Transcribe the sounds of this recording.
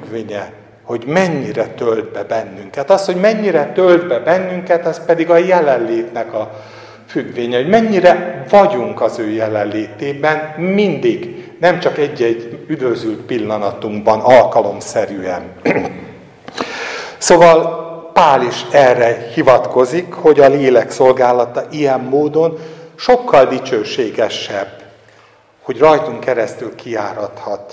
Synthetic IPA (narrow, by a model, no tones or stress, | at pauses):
ɡʋeːɲɛ | ho̞ɟmɛɲːiɾɛt̪øld̪̚bɛbɛnːyŋkɛt̪ɒsho̞ɟmɛɲːiɾɛt̪øld̪bɛbɛnːyŋkɛt̪ɒspɛd̪iɡɒjɛlɛlleːt̪nɛkɒ | fyɡʋeːɲɛho̞ɟmɛɲːiɾɛvɒɟuŋkɒzøːjɛlɛlleːt̪eːbɛnmind̪iɡnɛmt͡ʃɒkɛɟːɛɟːyd̪vø̞zylt̪pilːɒnɒt̪uŋɡbɒnɒlkɒlo̞msɛɾyɛn | soːvɒlpaːliʃɛrːɛhivɒt̪ko̞zikho̞ɟɒleːlɛkso̞lɡaːlɒt̪ɒʔijɛmːoːd̪o̞nʃo̞kːɒld̪it͡ʃøːʃeːɡɛʃɛb | ho̞ɟrɒjt̪oŋkɛɾɛst̪ylkijaːɾɒt̪hɒt̪